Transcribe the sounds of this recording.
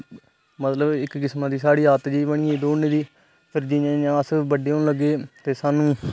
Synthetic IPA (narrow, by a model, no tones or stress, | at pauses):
mət̪ləbɪkkɪsmaːd̪iːsaːɽiːaːt̪d͡ʒiːbəɳ̃ɪːĩːd̪oːneːd̪iː | pʰɪɾd͡ʒiãːjãːsbəɖeõləɡːeːt̪eːsaːnũː